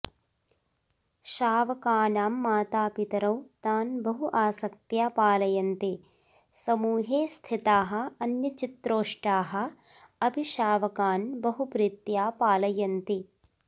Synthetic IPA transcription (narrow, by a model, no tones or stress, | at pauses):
ʃaːʋɐkaːnaːmːaːt̪aːpit̪ɐɾɐwt̪aːnbɐɦuʔaːsɐk̚t̪jaːpaːlɐjɐnt̪i | sɐmuːɦeːst̪ʰit̪aːɦɐ̆ɐnjɐt͡ʃit̪ɾoːʂʈaːɦɐ̆ | ɐbʱiʃaːʋɐkaːnbɐɦupɾit̪jaːpaːlɐjɐnt̪i